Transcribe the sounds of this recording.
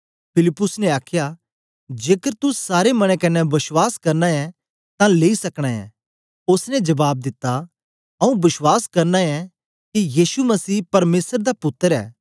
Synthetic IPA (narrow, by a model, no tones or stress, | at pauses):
pʰɪlɪpːʊsnɛaːkʰja | d͡ʒeːkəɾt̪ʊsaːɾemɐɽ̃ẽkɐnɛbɪswaːskɐɾnaɛ | t̪ãleːisɐkɽ̃aɛ̰̃ | ʊsnɛd͡ʒɐbaːb̚d̪ɪt̪ːa | ɐũbɪswaːskɐɾnaɛ | kijiːsumɐsiːpɐɾmeːsəɾd̪apʊt̪ːəɾɛ̰ː